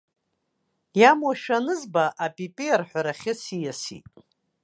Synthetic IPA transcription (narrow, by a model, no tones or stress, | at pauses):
jamwaʃᶣanɨzbaʔapʼipʼiarħʷᶣaɾaχʲɪsijasḭtʼ